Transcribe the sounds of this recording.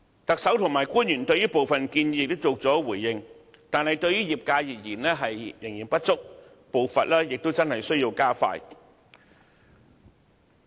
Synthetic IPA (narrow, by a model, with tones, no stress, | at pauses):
t̪ɐ˨k̚sɐ˨˥wt̪ʰʊ˨˩ŋmaː˨˩jkuː˥njyː˨˩nt̪ɵ˧ɥjyː˥po˨wfɐ˨nkiː˧nji˧jɪ˨k̚t̪o˥wt͡so˨˧k̚t͡sɔː˨˥wuː˨˩jːɪ˨˧ŋ | t̪aː˨nhɐ˨jt̪ɵ˧ɥjyː˥jiː˨p̚kaː˧jɪ˨k̚jiː˨˩nlɛː˥ɦɐ˨jːɪ˨˩ŋjiː˨˩npɐ˥t̚t͡sʊ˥k̚ | po˨wfɐ˨t̚laː˥jɪ˨k̚t̪o˥wt͡sɐ˥nhɐ˨˩jsɵ˥ɥjiː˧wkaː˥fa̰ː˧j